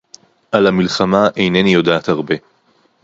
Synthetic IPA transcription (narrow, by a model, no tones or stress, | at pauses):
ʔalamilχamaʔe̞jnenijo̞daːt̪haʁbe̞